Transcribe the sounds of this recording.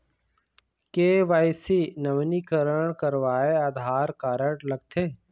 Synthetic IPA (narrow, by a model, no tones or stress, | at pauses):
keːʋaːɪsinɐʋnikəɾəɳ̃kəɾʋaːeaːd̪ʱaːɾkaːɾəɽlɐɡ̚t̪ʰeː